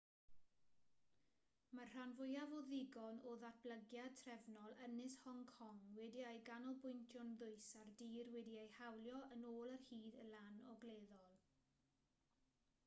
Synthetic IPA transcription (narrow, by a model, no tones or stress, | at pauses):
marr̥anvʊjavɔðɪɡɔnoðat̚b̥ləɡjad̚tʰrɛvnɔlˠənɪshɔŋkʰɔŋwɛdiajɡanɔlˠbʊjntʰjʊnðʊɨsardiːrwɛdiajhawlˠjɔʔənoːlˠərhiːdəlanɔɡleːðɔlˠ